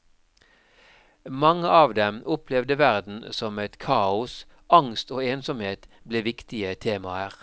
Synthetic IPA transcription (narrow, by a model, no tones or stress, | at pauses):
mɑŋəʔɑːʋd̪ɛmʔʊpʰlɛʋd̪əʋæʁd̪n̩sɔmɛt̪kʰɑːʊs | ɑŋst̪oːeːnsɔmheːt̪ | bleːʋɪkt̪ɪət̪ʰeːmɑəʁ